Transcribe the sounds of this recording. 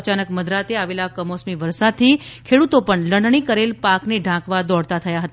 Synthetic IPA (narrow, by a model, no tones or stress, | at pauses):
t͡ʃanəkməd̪ɾat̪eaʋelakəmosmiʋəɾsad̪̚t̪ʰikʰeɽut̪opəɳləɽɳ̃ikəɾelpakneɖʱãkʋad̪ɔɽt̪at̪ʰəjaɦət̪